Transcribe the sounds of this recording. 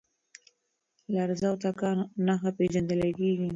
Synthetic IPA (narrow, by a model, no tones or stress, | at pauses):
laɾzawt̪akɑnaxapeʒand̪əlakeɡi